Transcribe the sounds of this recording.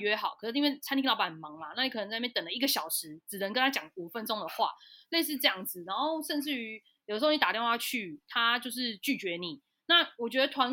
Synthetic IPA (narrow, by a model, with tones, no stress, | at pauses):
ɥɛ˧˥xɑ˨˦ʊkʰɤ˨˩ʂ̩˥˩i˥we˥˩t͡sʰa˥nt̪ʰĩ˥t̪ʊpa˨˩mɑ˨˦ŋlaɐ˦na˥˩ni˨kʰɤ˨˩nə˧ŋt͡sːt̪ə˨˩ŋlə˧i˥ɡə˨˩ɕɑ˨˩ʊʂɻ̩˧˥ʈ͡ʂɻ̩˨˩nə˧˦ŋkə˧˥nt̪ʰa˥t͡ɕjɑ˨˩ŋu˨˩fə˧˦nʈ͡ʂʊ˥ŋd̪ə˨xwa̰˥˩le˥˧ɪʂ̬ɻ̩˥˧ʈ͡ʂɤ˥˧jɑ˥˩ŋd͡z̩˨˩na˧˥nxo˥˧ʊʂə˥˧nʈ͡ʂɻ̩˥˩ | jjdə˧˥˧ni˧t̪a˨˩tjɛ˥˧nxwa˥˧t͡ɕʰy˥˩t̪ʰa˦t͡ɕjo˥˧ʊʂ̬ɻ̩˥˧t͡ɕy˥˩t͡ɕɥɛ˧˥ni˨˩˦ | na˥˨wɔ˨˩t͡ɕɥɛ˧˦d̪ə˧t̪ʰwa˧˥n